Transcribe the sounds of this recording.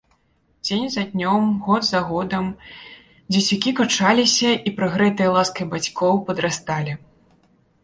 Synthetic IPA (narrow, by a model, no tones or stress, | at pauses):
d͡zʲenʲzɐd̪ʲnʲɔmɣɔd̪zaɣɔd̪ɐm | d͡zʲit͡sʲukʲikat͡ʂalʲisʲɐʔipɾɐɣɾɛt̪ɨjɐlˠaskɐjbat͡sʲkʰɔwpɐd̪ɾast̪alʲi